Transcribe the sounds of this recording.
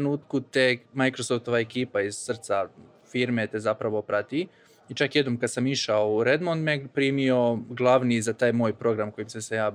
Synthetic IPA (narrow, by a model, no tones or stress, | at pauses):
nuːt̪kut̪emajkɾosoft̪o̞ʋaekiːpaiz̥sr̩t̪sa | fiːɾme̞t̪ezapɾaʋo̞pɾat̪i | it͡ʃakjed̪nomkad̪samiʃaouɾed̪mond̪mepɾiːmio̞ɡlˠaʋnizat̪aːjmo̞ːjpɾo̞ɡɾamko̞jimsesejaː